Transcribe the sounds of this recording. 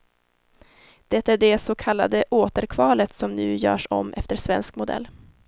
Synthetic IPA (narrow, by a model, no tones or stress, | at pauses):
d̪̥ɛt̪ːaæɖɛsokʰalːa̰d̪əʔoːt̪əɾkʰvɑːlət̪sɔmnʉ̟̰ːjœ̰ːʂɔ̰mʔɛft̪əʂvɛnskmʊd̪ɛ̰lː